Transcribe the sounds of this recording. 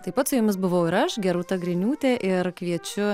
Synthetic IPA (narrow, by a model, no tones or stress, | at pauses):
t̪ɐɪpɐt̪sʊjʊmʲɪs̬bʊʋɐʊɪɾɐʃɡʲɛɾuːt̪ɐɡɾʲɪnʲuːt̪ʲɛʔɪrkʋʲiɛt͡ʃʲʊ